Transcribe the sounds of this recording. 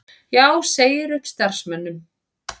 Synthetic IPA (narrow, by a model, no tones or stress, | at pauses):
jaːwseːjɪɾʏhpst̪aɾ̥smœnːʏm